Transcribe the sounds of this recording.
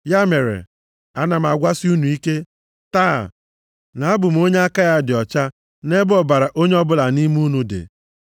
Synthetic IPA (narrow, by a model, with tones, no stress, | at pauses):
ja˦me˨ɾḛ˨ | a˦na˨m̩˨a˨ɡʷa˦sɪ˦u˦nu˨i˦ke˦ | ta̰ː˦˨ | na˨a˦bʊ˨m̩˨˦o˦ɲe˦a˦ka˦ja˦dɪ˨ɔ˨t͡ʃa˦ | ne˦bɔ˦ba˨ɾa˨ʔo˦ɲe˦ɔ˦bʊ˦la˨ni˦m˦u˦nu˦dḛ˨